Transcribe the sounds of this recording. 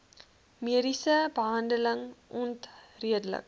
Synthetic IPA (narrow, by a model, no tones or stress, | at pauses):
miəɾisɐbaːnɖəlɐŋunt̪ɾiədlɐ̰k̚